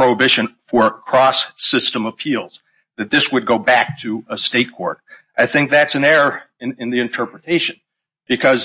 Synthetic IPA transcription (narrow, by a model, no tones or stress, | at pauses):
ɹ̥oʊəbɪʃɨ̃nfə˞kʰɹ̥ɔsːɪstə̃məpʰilˠz̥ | ðɨt̪̚ðɪswɨd̚ɡoʊbæk̚tʰɨəsteɪt̚kʰɔ̰ɹɾ | ʔaɪθɪ̃ŋk̚ðætsɨ̃nɛɹə˞ɨ̃nɨ̃nðiɨ̃ntʰɜ˞pɹɨtʰeɪʃɨ̃n | b̥ɨkʰʌz